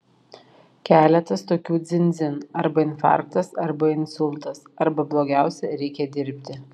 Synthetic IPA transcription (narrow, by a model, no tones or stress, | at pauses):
kʲæːlʲɛt̪ɐst̪oːkʲuːd̪zʲɪnʲd̪zʲɪnɐɾbɐɪnfɑ̰ːˑɾk̚t̪ɐsɐɾbɐɪnsʊlˠt̪ɐsɐɾbɐblˠoːɡʲæˑʊsʲɛɾʲɛɪkʲɛd̪ʲɪɾʲpʲt̪ʲɪ